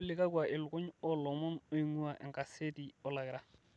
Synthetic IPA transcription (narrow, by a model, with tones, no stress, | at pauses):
lɪ˦ka˦kwa˨ʔɪ˨lʊ˨kʊ˦ɲɔ˦lɔ˨mɔ˦nʊ˦i˦ŋu˦a˨ʔɛ̰˨ŋka˨se˦di˨ɔ˨la˨kɪ˨ɾa˨